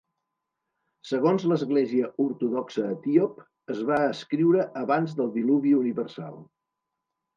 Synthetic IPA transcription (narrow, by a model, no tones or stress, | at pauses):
səɣonzləzɣleziəuɾt̪uðɔksəːt̪iop | əzβaəskɾiwɾəʔəβanzðəlˠd̪iluβiuniβərsa̰lˠ